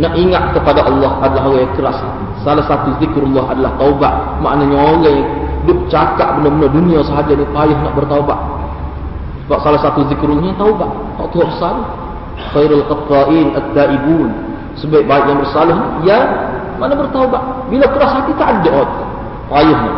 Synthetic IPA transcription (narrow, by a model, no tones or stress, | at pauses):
naʔiŋat̪̚kəpadaʔɑlːɔhʔadalaɦoɣajaŋkəɾashat̪isalahsat̪uðɪkɾulːaɦa̰dalaht̪aubaʔ | ma̰ʔnaɲaoɣɛjdʊʔ̚t͡ʃakaʔbənərbənərduniasəɦad͡ʒanipajʊɦnaʔbərt̪auba̰ʔ̚ | baʔsalahsat̪uðɪkɾulːɔɦɲat̪aubaʔ | naʔt̪uɦaʔəsalʊh | xajɾalqɨt̪ːaʔiːnat̪ːaʔibuːn | səbaɪʔ̚baɪʔjaŋbərsalʊhnija | manabərt̪aubaʔbilakəɾashat̪it̪aʔadaʔo | pajʊhna̰ʔ